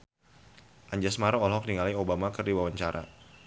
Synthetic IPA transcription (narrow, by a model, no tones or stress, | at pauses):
ʔaɲd͡ʒasmaɾɔɔlɦɔk̚niŋalaiobamakərdiwawaɲt͡ʃaɾʔa̰